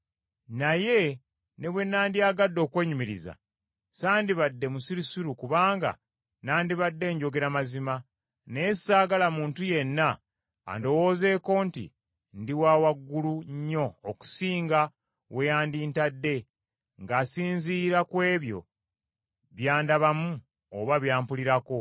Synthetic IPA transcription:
naje̞ | ne̞βwe̞nːaːndiaːɡadːo̞ːkwe̞ːɲumiɾḭza̰ | saːndiβadːe̞musiɾisiɾukuβaːŋɡa̰ | naːndiβadːe̞ːɲɟo̞ɡe̞ɾamazima | nesaːɡalamuːntuje̞nːa̰ː | ndo̞wo̞ːze̞ːko̞ntḭ | ndiwaːwaɡːuluɲːo̞ːku̥siːŋɡa | we̞jaːndiːntadːe̞ | ŋɡaːsiːnziːɾakwe̞ːβjo̞̰ | βjaːndaβamu | oβaβjaːmpuliɾako̞

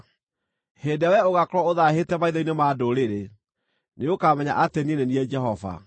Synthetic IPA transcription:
hedawɛoɣakɔɾɔoðahetɛmaiðɔinemadoɾeɾe | neokamɛɲa̰ʔatenieneniɛd͡ʒɛɦɔva̰

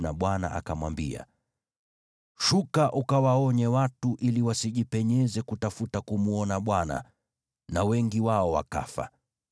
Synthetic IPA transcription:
naɓwana̰ʔa̰kamwambia̰ | ʃukaʔukawaɔɲɛwatuʔiliwasiʄipɛɲɛzɛkutafutakumuɔnaɓwana̰ | nawɛŋɡiwaɔwa̰ka̰fa̰

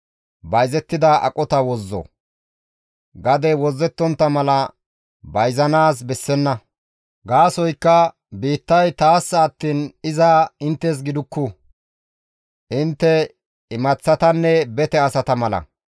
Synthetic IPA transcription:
bɐjzɛt̪ːɪd̪ɐʔɐ̰kʼɔt̪ɐwɔzːɔ̰ | ɡɐd̪ɛwɔzːɛt̪ːɔnt̪ːɐmɐlɐ | bɐjzɐnaːs̬bɛsːɛnːɐ | ɡaːsɔjkːɐ | biːt̪ːɐjt̪aːsːɐːt̪ːiːnɪzɐɪnt̪ːɛs̬ɡɪd̪ʊkːʊ | ʔɪnt̪ːɛ | ɪmɐt͡sːɐt̪ɐnːɛbɛt̪ɛɐsɐt̪ɐmɐlɐ̰

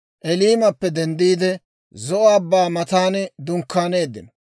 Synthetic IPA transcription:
ʔɛliːmɐpːɛd̪ɛnd̪iːd̪ɛ | zɔʔɐbːaːmɐt̪aːnd̪ʊŋkːaːneːd̪ːɪnɔ

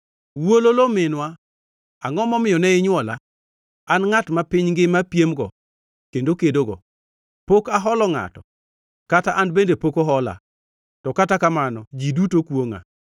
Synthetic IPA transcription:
wololomɪnwa | aŋɔmɔmɪjɔnɛɪɲwɔla | anŋatmapɪɲŋɡɪmapjemɡɔ̰ | kendokedoɡɔ̰ | pokaɦɔlɔŋa̰tɔ | kataʔanbendepokoɦɔla̰ | tɔkatakamanɔd͡ʒidutokwoŋa̰

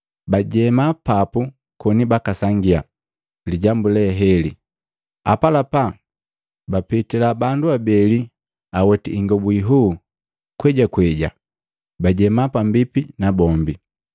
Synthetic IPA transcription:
baɟɛmapapu | kɔnibakasaŋɡia | liɟambulɛɦɛli | a̰palapa | bapɛtilabanduabɛli | awɛtiːŋɡɔbuiɦu | kwɛɟakwɛɟa | baɟɛmapambipinabɔmbi

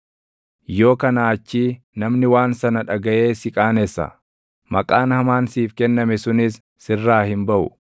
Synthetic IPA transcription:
jo̞ːkɐnaːt͡ʃːiː | nɐmnɪwaːnsɐnɐᶑɐɡɐʔe̞ːsɪkʼaːnɛsːɐ̰ | mɐkʼaːnhɐmaːnsiːfkɛnːɐmɛsʊnɪsː | ɪrːaːhɪmbɐʔʊ̰

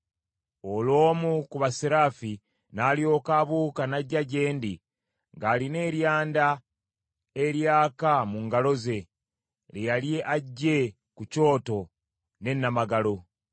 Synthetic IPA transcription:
o̞lo̞ːmukuβasiɾaːfi | naːlio̞ːkaβuːkanaɟaɟe̞ːndi | ŋɡaːline̞ːɾjaːnda | eɾjaːkamuŋɡalo̞ze̞ | lejalje̞ʔaɟːe̞ | kuco̞ːto̞ | ne̞nːamaɡalo̞

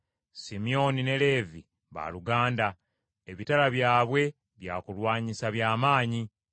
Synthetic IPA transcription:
simio̞nine̞le̞ːvi | βa̰luɡaːnda | eβitalaβjaːβwe̞ | βjaːkulwaːɲisaβjaːmaːɲi

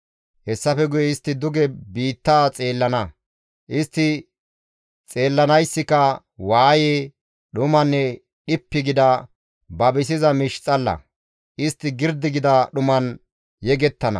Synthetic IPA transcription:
hɛsːɐfɛɡʊjɛɪst̪ːɪd̪ʊɡɛbiːt̪ːaːt͡sʼe̞ːlːɐnɐ | ʔɪst̪ːɪ | t͡sʼe̞ːlːɐnɐjsːɪkɐ | waːje | ɗʊmɐnːɛ | ɗɪpːɪɡɪd̪ɐ | bɐbɪs̬ɪzɐmɪʃt͡sʼːɐlːɐ̰ | ʔɪst̪ːɪɡɪɾd̪ɪɡɪd̪ɐɗʊmɐn | jɛɡɛt̪ːɐnɐ̰

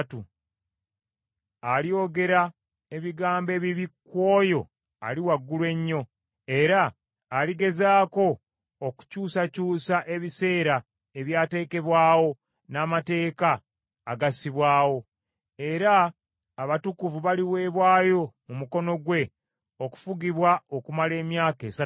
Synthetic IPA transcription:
tu | alio̞ɡe̞ɾa | e̞βiɡaːmbe̞βiβikːwo̞ːjo̞̰ | a̰liwaɡːulwe̞ɲːo̞ | e̞ɾaː | liɡe̞zaːko̞ː | ku̥cuːsacuːsaʔe̞βise̞ːɾa | e̞βjaːte̞ːke̞βwaːwo̞ | naːmate̞ːkaː | ɡasiβwaːwo̞ | e̞ɾaː | βatukuvuβaliβwe̞ːβwaːjo̞mumuko̞no̞ɡwe̞ | o̞ku̥fuɡiβwaokumale̞ːmjaːke̞ːsa

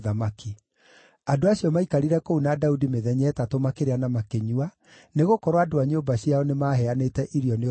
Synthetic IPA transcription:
ðamaki | adoaɕijɔmaikaɾiɾɛkounadaudimeðɛɲɛːtatomakeɾeanamakeɲua | neɣokɔɾwadoaɲoːmbaɕiaɔnemaɦɛanetɛʔiɾjɔne

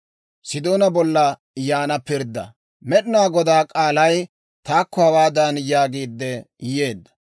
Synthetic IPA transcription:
sɪd̪oːnɐbɔlːɐ | jaːnɐpɪɾd̪ːɐ̰ | mɛɗɪnaːɡɔd̪aːkʼaːlɐj | t̪aːkʰːɔhɐwaːd̪ɐnjaːɡiːd̪ːɛjeːd̪ːɐ̥

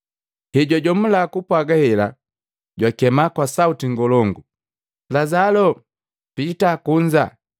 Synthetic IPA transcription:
hɛɟɔɟɔm̩lakupwaɡahɛla̰ | ɟwakɛmakwasautiŋɡɔlɔŋɡu | lazalɔ | pitakuɲd͡ʒa

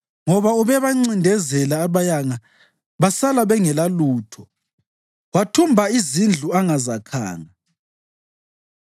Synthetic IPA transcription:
ŋɔβauβɛβaŋ͡ǀindʱɛzɛlaːβajaŋa | βasalaβɛŋɛlaluːtʰɔ | watʰumbʱaizind͡ɮʱuaŋazakʰa̰ːŋa

